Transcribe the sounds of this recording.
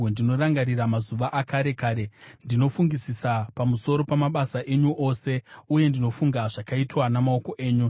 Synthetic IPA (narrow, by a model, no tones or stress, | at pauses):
ndino̞ɾaŋɡaɾiramazuʋaʔakaɾe̞kaːɾe̞ndino̞fuŋɡisisapamuso̞ɾo̞pamaɓasaʔe̞ɲuʔo̞se̞uje̞ndino̞fuŋɡaʐakaitwanamao̞ko̞ʔe̞ːɲu